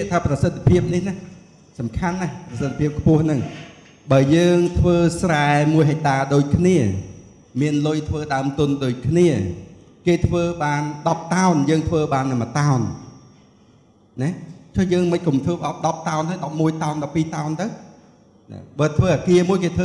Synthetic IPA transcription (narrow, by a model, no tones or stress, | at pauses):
iət̪ʰaːprɑsət̪ʰːpʰiəp̚nihnah | sɑmkʰanːahprɑsət̪̚ʰːpʰiəp̚kʰpʊəhnɨŋ | ɓaəjəːŋt̪ʰʋəːsraɛmuəjɦac̚t̪aːɗoːc̚kʰniə | miənlʊjt̪ʰʋəːɗaəmt̪ʊ̆ənɗoːc̚kʰniə | keːt̪ʰʋəːɓaːnɗɑp̚t̪aɔnjəːŋt̪ʰʋəːɓaːnːɨmət̪aɔn | nɛt͡ɕojəːŋmɨc̚kumt̪ʰʋəːpʔɑt̪̚ɗɑp̚t̪aɔnhaːjɗɑp̚muəjt̪aɔnɗɑpːiːt̪aɔnt̪ɨw | nɛ̰ɓaːt̪ʰʋəːʔaːkiəmuəjkeːt̪ʰəː